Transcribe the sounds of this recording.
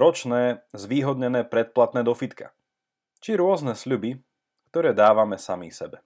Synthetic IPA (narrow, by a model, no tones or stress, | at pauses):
ɾɔt͡ʃnɛːzʋiːɦɔd̪ɲɛnɛːpɾɛt̪̚plat̪nɛːd̪ɔfit̪kʰa̰ | t͡ʃiɾʊɔznɛsʎubi | kt̪ɔɾɛːd̪aːʋamɛsamḭsɛbɛ